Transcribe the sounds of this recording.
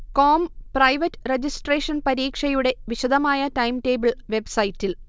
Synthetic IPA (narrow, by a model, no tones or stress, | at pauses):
koːmprɐjʋɐtːred͡ʑisʈreːʂɐnpɐɾiːkʂɐjuɽe̞ʋiɕɐd̪ʱɐmaːjɐtɐjmte̞ːbɨɭʋe̞bsɐjtːil